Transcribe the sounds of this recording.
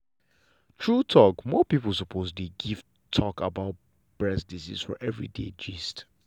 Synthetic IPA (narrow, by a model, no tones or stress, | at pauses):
tʰɹutʰɔkmɔpipəlˠs̬ɔpʰosdeɡiv̥ | tʰɔkabaʊt̚ | b̥ɹɛsdisḭsfɔ̰ʔɛvɹḭdḛd͡ʒist